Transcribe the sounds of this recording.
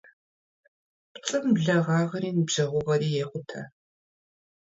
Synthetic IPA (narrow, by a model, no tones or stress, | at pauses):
pt͡sʼɨmɮɐʁɑːʁɐɾiːnɨbʒ̥ɐʁʷʊʁɐriːjeːχʷʊtʰɐ̰